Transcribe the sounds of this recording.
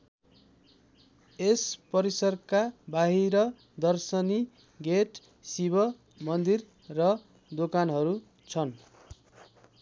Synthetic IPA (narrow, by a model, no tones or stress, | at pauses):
espʌɾisʌrkabaɦiɾʌ | d̪ʌrsʌni | ɡeʈ | sibʌ | mʌnd̪ir | rʌ | d̪okanɦʌɾu | t͡sʰʌn